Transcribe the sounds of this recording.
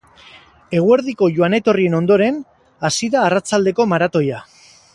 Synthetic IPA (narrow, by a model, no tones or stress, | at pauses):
e̞ɣ̞ue̞ɾðiko̞ʝuane̞t̪o̞rie̞no̞nd̪o̞ɾe̞n | asiðaːrat͡sald̪e̞ko̞maɾat̪o̞ja